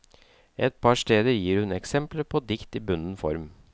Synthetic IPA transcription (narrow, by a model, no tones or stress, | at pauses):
ɛt̪̚pʰɑʂt̪eːd̪əɾjiːɾhʉnɛksɛmpləpʰoːd̪ɪkt̪iːbʉnn̩fɔ̰ɾm